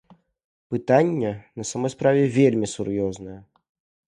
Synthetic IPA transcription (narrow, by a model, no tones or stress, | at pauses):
pɨt̪anʲːɛnɐsamɔjspɾavʲɛvʲelʲmʲisurjɔznɐjɐ